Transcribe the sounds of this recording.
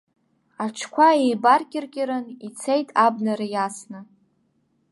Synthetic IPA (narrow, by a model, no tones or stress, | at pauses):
aʈ͡ʂʰkʷʰaejbarkʲʼɪrkʲʼɪɾɨnit͡sʰejtʼabnaɾajasnɨ